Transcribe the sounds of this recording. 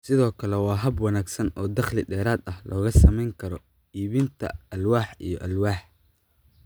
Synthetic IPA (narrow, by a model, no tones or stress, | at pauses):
sɪðɔːkʰɐlɛwɑːɦɐbwɑnaːɡsɐnɔːd̪ɐχlɪɖɛːɾaːd̪ɐhlʔɔːɣɐsɐmɛjŋkʰɐɾɔ | iːβint̪ʰɐ̰ɐlwaːħḭjɞʔɐlwaːħ